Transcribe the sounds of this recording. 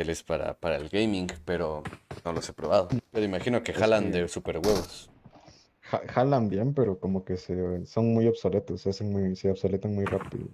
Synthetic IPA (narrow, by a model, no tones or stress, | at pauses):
elespaɾa̰paɾaelɡejmiŋɡpeɾonolosepɾoβaðopeɾoimaxinokexaland̪esupeɾɣweβos | xaxalambjempeɾokomokesesonmujoβsolet̪osasenmujseoβsolet̪anmujrapḭðo̰